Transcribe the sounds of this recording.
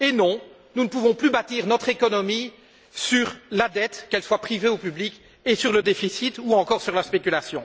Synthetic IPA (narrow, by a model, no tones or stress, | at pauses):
enɔ̃ | nunəpuvɔ̃plybat̪iʁnɔt̪χekɔnɔmi | syʁlad̪ɛt̪kɛlswapχiveopyblikʲ | esyʁləd̪efisit̪uɑ̃kɔʁsyʁlaspekʲylasjɔ̃